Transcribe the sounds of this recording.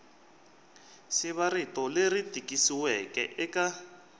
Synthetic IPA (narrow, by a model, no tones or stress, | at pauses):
siβaɾitɔleritikʼisiwɛkɛ̰ʔɛka